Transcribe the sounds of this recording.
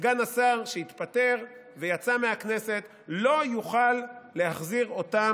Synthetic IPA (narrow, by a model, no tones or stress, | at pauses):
ɡanasaʁʃeit̪pate̞ʁ | vejat͡sameakne̞se̞t̪ | lo̞juχalːe̞haχziʁo̞ta